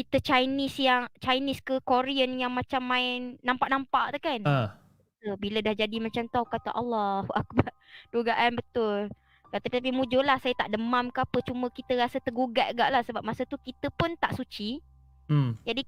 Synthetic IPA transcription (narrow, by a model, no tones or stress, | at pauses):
kit̪ət͡ʃajnɪsjaŋt͡ʃajnɪskəkoɾiənjaŋmãt͡ʃamːãɪnːampaʔnampaʔt̪ukan | təbilədahd͡ʒadimat͡ʃamt̪uawkat̪aʔɑlːahuʔak̚bar | duɡaʔanbət̪ʊl | kat̪apit̪apimud͡ʒolahsajət̪aʔdəmamkəapət͡ʃumə̃kit̪əɾasət̪əɡuɡaʔɡaʔlahsəbap̚masət̪ukit̪əpʊnt̪aʔsut͡ʃi | d͡ʒadi